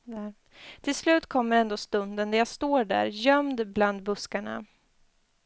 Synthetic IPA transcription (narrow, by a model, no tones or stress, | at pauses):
t̪ʰɪlslʉ̟ːt̪kʰɔmːəɾɛnd̪oːst̪ɵnd̪ənd̪ɛjast̪oːɖæ̰ːɾjœmd̪bland̪bɵskaɳa̰